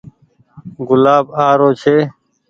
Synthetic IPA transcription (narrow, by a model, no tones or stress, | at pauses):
ɡʊlaːbaːɾoːt͡ʃʰeː